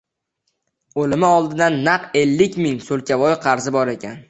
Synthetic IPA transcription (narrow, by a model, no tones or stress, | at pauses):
olɪmɪɒlˠd̪ɪd̪anːaqe̞lːɪkʲmɪŋsolˠkʲavɒjqʰɑɾzɪbɒɾe̞kʲʰan